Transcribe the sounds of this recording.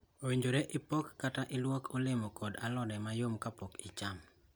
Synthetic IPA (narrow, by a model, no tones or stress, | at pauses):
oweɲd͡ʒoɾeʔɪpokːataʔɪlwokʰolɪmɔkɔdalɔdɛmajomkapɔkɪt͡ʃam